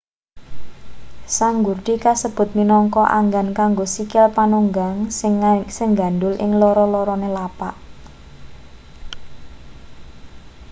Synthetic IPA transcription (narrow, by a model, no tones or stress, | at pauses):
saŋɡurd̪ikasəb̥ʊ̤t̪̚minɔŋkɔʔa̰ŋɡankaŋɡosikɪlpanuŋɡaŋsɪŋsɪŋɡa̤nd̪ʊlʔɪ̰ŋlɔɾɔlɔɾɔnelapaʔ